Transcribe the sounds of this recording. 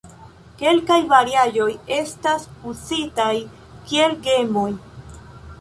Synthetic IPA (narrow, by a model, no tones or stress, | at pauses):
ke̞lkajvaɾiaʒo̞je̞staspusitaj | kie̞lɡe̞mo̞j